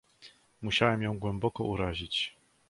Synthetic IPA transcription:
muɕawɛmjɔ̃w̃ɡwɛmbɔkɔʔuɾaʑit͡ɕ

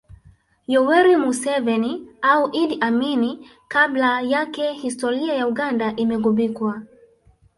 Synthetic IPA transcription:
jɔwɛɾimusɛvɛniauʔidiʔamini | kablajakɛhistɔɾiajauɠandaʔimɛɣɔɓikwa

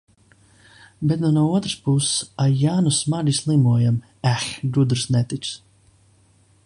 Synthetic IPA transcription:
bɛt̪nunuɔuɔt̪ɾɨ̥spusajaːnusmaɾʲislˠimuɔjam | æxɡud̪ɾsnɛt̪it̪s

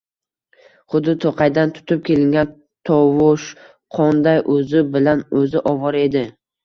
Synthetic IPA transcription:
χʊd̪ɪt̪ʰoqɑjd̪ant̪ʰʊ̥t̪ʰɪp̚kʲʰe̞lɪŋɡʲan | t̪ʰɒvʊʃ | qʰɒnd̪ajʔɵzɪbɪlanɵzɪʔɒvɒɾe̞d̪ɪ

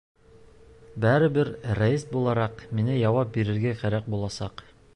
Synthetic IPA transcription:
bæɾɘ̆bɘɾræist̪̚bulˠɑɾɑqminɘjɑwɑp̚biɾɘ̆ɾɡæqæɾæq̚bulˠɑsɑq

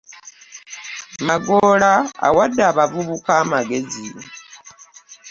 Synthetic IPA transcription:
maɡola̰ːwadːaːβavuβukaːmaɡe̞zi

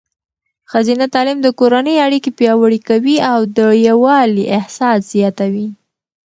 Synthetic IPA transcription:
xazinat̪ɑlɪmd̪əkoɾanəjaɽikepjɑwaɽikawiawd̪əjawɑliʔɪhsɑsz̥jɑt̪awi

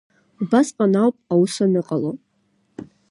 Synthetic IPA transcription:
ubasqʼanawpʼawusanɨqʼalo

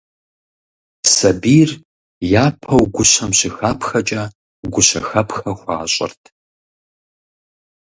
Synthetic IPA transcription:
sɐbiːr | jaːpʰɐwɡʷʊɕɐmɕɪxaːpʰxɐt͡ʃʼɐ | ɡʷʊɕɐxɐpʰxɐxʷaːɕʼɪ̰rtʰ

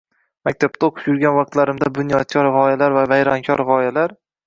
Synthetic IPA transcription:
mak̚ʲt̪ʰab̚t̪ʰaoqʰɨ̥pjʊɾɡʲanvɑq̚t̪laɾɪmd̪abʊnjɒd̪̚kʰʲɒɾʁɒjalaɾvavajɾɒnkʲʰɒ̰ɾʁɒjalaɾ

